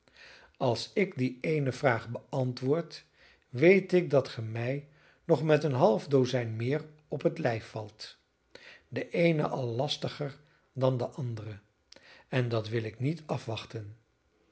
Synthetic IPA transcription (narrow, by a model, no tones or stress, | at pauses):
ɑlˠsɪkdiejnəvraːχbəʔɑntʋʊːɹt | ʋejtɪk̚dɑtχəmɛj | nɔχmɛtənɦɑlˠvdowzɛjnmɪːr | ɔpɦətlɛjfːɑlˠt | dəʔejnə̰ʔɑlˠːɑstəχəɹ | dɑndəʔɑndərə | ɛndɑtʋɪlɪknitɑfʋɑχtən